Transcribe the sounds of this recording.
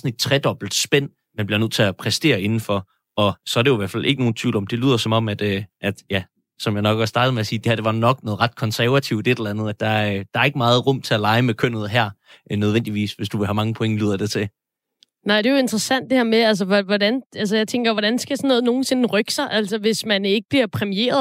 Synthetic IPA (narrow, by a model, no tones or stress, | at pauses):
sɒ̽ne̝d̥̚t͡sʰʁɛd̥ɒ̽b̥l̩d̥sb̥en̰ | mænb̥liɐnot͡sʰe̝æpʰʁɛsd̥e̝̰ːɐe̝nn̩fɒ | ɒ̽sɒ̽æɐdejoiʋæɐ̰̥fælʔe̝ɡəno̝ːn̩t͡sʰḭʊlɒ̽md̥e̝lyːð̰ˠɐsɒ̽mɒ̽m̰æd̥øʔæd̥jæ | sɒ̽mjɑ̈ɪnɒ̽ɡ̥ɒsd̥ɑ̈ːd̥ð̩ˠmeæsiːd̥e̝hæɐd̥e̝ʋɑ̈nɒ̽ɡ̥nɔ̽ːð̩ˠʁɑ̈d̥̚kʰɒ̽nsæɐʋæt͡sʰiʊd̥e̝d̥elɐænð̞̩ˠæd̥ɑ̈d̥ɑ̈æɐe̝ɡ̥əmɑ̈ːð̩ˠʁɔ̽m̰t͡sʰe̝ælɑ̈ɪmekʰøn̰ð̞̩ˠɦæɐ̰nøð̞ˠen̰d̥iʋḭːsʋe̝sd̥uʋe̝ɦæmɑ̈ŋəpʰoe̝ŋəly̰ːð̰ˠɐd̥e̝t͡sʰe̝ | nɑ̈ɪ̰d̥e̝joe̝nd̥ʁɐsæn̰d̥e̝hæɐ̰meæls̬əʋʋɒdænæls̬əjɑ̈ɪt͡sʰeŋɡ̥ɐʋɒɾ̥ænsɡ̥æsɒnːɔ̽ːð̩ˠno̝ːn̩se̝n̩ʁœɡ̥sɑ̈ɪʔæl̰sɐʋe̝smæne̝ɡ̥əb̥liɐpʰʁɛmie̝̰ːɐðˠ